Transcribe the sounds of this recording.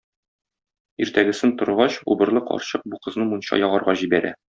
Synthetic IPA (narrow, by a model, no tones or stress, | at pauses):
iɾt̪æɡɘ̆sɘnt̪ŏɾuʁɑɕṵbɤ̆ɾlˠɤqɒ̰ɾɕɤq̚buqɤ̆znɤmunɕɑ̰jɒʁɑɾʁɑʑibæɾæ̰